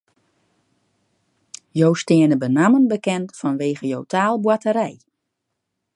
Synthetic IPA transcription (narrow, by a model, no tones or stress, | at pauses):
jowstɪənəbənamənbəkɛntfɔnʋeːɣəjowtʰaːlˠbwatəɾɛj